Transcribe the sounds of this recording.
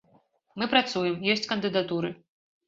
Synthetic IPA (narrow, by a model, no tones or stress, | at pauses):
mɨpɾat̪sujɛmjɔsʲt͡sʲkɐnd̪ɨd̪at̪uɾɨ